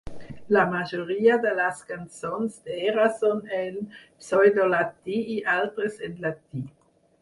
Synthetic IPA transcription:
lamaʒoʁiːad̪elaskant͡sonsd̪eeɾasɔnɛl | sɔjd̪olat̪iiʔalt̪ɾəsedlat̪i

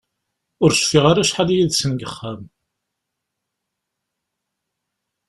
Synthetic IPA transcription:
ʊɾʃfiʁaɾaʃħaljiðsənɡəχːam

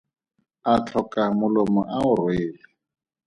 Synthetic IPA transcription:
at͡ɬʰɔkʼamʊlɔmɔʔaʊrweːlɪ

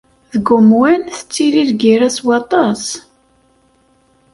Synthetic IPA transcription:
ðəɡʊmwənθə̥t͡sːiliɾɡiɾæswɑt̪ˤɑs

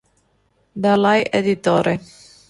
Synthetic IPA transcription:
d̪alajʔed̪it̪oːɾe

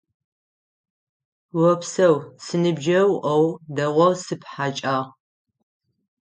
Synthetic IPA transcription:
wɐpsɐwsɨnɨbʒɐwʔɐwdɐʁʷɔsɨpħat͡ʃʼaːʁ

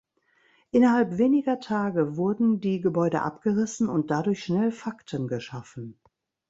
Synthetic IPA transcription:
ʔɪnɐhalpv̥eːnɪɡɐtʰaːɡəvʊɐdn̩diːɡəbɔʏdə̰ʔa̰pɡ̥əʁɪsn̩ʊnt̚d̥adʊɐçʃnɛlfaktənɡəʃafn̩

